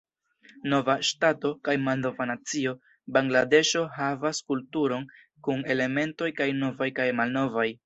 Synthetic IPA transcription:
no̞vaʃtato̞kajmalno̞vanat͡sio̞ | baŋɡlade̞ʃo̞ɦavaskultuɾo̞n | kune̞le̞me̞nto̞jkajno̞vajkajmalno̞vaj

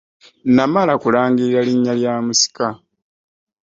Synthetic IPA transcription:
namalakulaːŋɡiɾiɾaliɲːaljaːmusi̥ka

